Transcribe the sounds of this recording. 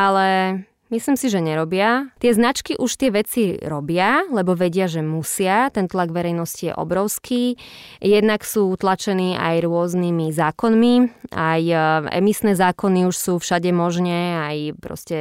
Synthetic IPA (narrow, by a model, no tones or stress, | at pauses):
ʔalɛ | misliːmsiʒɛɲɛɾɔbɪat̪ɪɛznat͡ʃkiʔuʃt̪ɪɛʋɛt͡siɾɔbɪalɛbɔʋɛɟɪaʒɛmusɪat̪ɛnt̪laɡʋɛɾɛjnɔscijɛ̰ʔɔ̰bɾɔʊskʰiːjɛd̪naksuːt̪lat͡ʃɛniːʔa̰jɾʊɔznimizaːkɔnmiajɛ̰misnɛːzaːkɔniuʃsuːfʃaɟɛmɔʒɲɛajpɾɔ̰scɛ